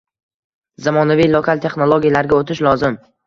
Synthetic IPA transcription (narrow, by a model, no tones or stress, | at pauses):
zamɒnavijlˠokʰalt̪ʰe̞χnolˠoɡʲijalaɾɡʲaot̪ʰɪʃlˠɒzɪm